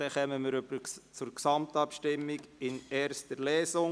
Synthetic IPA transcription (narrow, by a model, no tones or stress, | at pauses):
d̥ɛχɛməməɾøbət͡sʊɾksɑmtɑpʃtɪmːiɡɪnɛːɾstəlɛːsʊŋ